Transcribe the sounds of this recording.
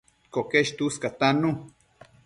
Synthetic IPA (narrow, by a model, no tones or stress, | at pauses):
kokeʃt̪uskat̪anu